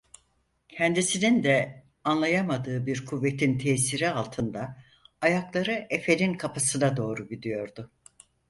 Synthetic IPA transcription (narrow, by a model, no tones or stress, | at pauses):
cʰɛnd̪isinind̪ɛ | anlˠajamad̪ɯːbiɾkʰuvːet̪ʰint̪ʰɛːsiɾialˠt̪ʰɯnd̪aː | jaklˠaɾɯʔefe̞lʲinkʰapʰasɯnad̪o̞ːɾuɟid̪ijo̞ɾd̪ʊ